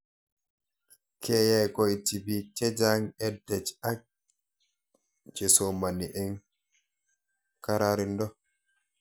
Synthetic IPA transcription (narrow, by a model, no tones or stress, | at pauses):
kʰɛːjajkɔjtibitɛd͡ʒaŋɛdːɛd͡ʒak̚ | d͡ʒɛsomaniʔɛŋ | kaɾaɾindɔ